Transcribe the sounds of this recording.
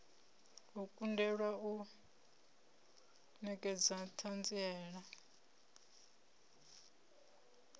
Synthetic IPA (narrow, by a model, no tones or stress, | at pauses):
ukʼundɛɺwau | nɛkʼɛd͡zatʰand͡ziɛːɺa